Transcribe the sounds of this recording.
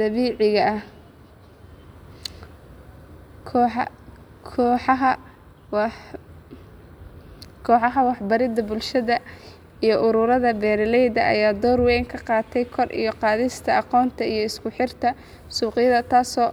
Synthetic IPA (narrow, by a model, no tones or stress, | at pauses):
d̪̥ɐβiːʕɪɣɐʔɐ | kʰːħ | kʰɔːħɑɦɐ | kʰɔːħɑɦɐwɑħbɐɾɪd̪ɐbʊlʃɐðɐ | ijɞʔʊɾʊɾɐðɐbɛːɾɪlɛjd̪ɐʔɐ̰jaːd̪ɔːɾwɛŋkʰɐqɑːt̪ʰɛjkʰɔrʔḭjɞqɑːðɪst̪ʰɐɑqɔːnt̪ʰɐijɞɪskʰʊħɪrt̪ʰɐ | suːqɪjɐðɐt̪ʰaːsɔː